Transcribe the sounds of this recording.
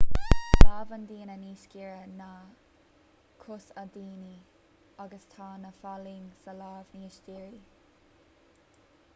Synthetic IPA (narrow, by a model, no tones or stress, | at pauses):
laːvənd̪iːnəniːʃkiːɹəna | kʰʊsad̪iːni | aɡəstʰɑːnəfaliːŋsəlaːvniːʃɡiːɹi